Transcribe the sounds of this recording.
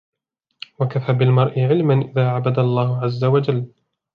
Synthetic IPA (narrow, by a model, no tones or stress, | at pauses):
wakafaːbɪlmɑɾˤʔɪʕɪlmanʔɪðaːʕabad̪alˤːɑːhʊʕazːawad͡ʒalː